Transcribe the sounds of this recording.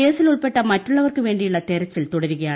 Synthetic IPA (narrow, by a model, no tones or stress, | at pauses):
eːsɪlʊɭpɛʈːɐmɐtrʊɭːɐʋɐrkɯʋeːɳɖɪjʊɭːɐt̪ɛɾɐt͡ɕːɪlt̪ʊɽɐɾɯɣɐjaː